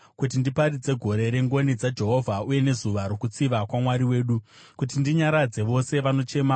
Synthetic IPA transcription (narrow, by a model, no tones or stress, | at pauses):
kut̬indipaɾid͡ze̞ɡʱo̞ɾe̞ɾe̞ŋɡo̞nid͡zad͡ʒe̞ɦo̞vʱauje̞ne̞zuʋaɾokut͡siʋakwamwaɾiwe̞ːɗu | kut̬indiɲaɾad͡ze̞ʋo̞se̞ʋano̞t͡ʃe̞ma